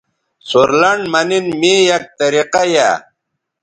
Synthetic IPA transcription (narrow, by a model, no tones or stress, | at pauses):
suɾlɐɳɖmɐninmijɐk̚t̪ɐɾiqaja̰